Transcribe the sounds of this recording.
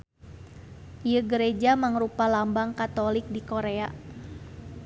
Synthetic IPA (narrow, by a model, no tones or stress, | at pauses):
ʔijəɡəɾed͡ʒamaŋɾupalambaŋkat̪olɪk̚dikoɾea